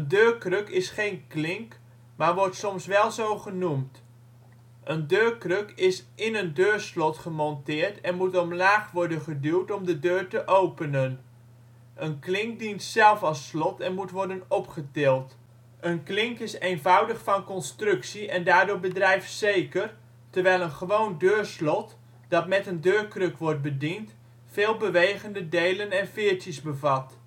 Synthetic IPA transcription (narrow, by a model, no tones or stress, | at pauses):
əndøːɹkrɵkɪsχejnklɪŋk | maːɹʋɔɹtsɔmsʋɛlˠzowχənumt | ʔəndøːɹkrɵkɪsɪnəndøːɹslɔtχəmɔntɪːɹtɛnmutɔmlaːχʋɔɹdənχədywtɔmdədøːɹtəʔowpənən | ʔənklɪŋk̚dintsɛlˠfɑlˠslɔtɛnmutʋɔɹdənɔpχətɪːlˠt | ʔənklɪŋkɪsejnvʌwdəχfɑnkɔnstrɵksiʔɛndaːɹdoːɹbədrɛjftsejkər | təɹʋɛjlˠənχəʋowndøːɹslɔt | d̥ɑtmɛtəndøːɹkrɵkʋɔɹt̚bədint | fɪːlˠbəʋejχəndədejlənɛnfɪːɹtjəsbəvɑt